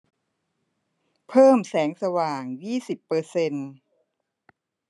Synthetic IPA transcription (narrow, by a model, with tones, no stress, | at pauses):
pʰɤː˥˩msɛː˩˦ŋsa˧waː˨˩ŋjiː˥˩si˨˩pːɤː˧se˧n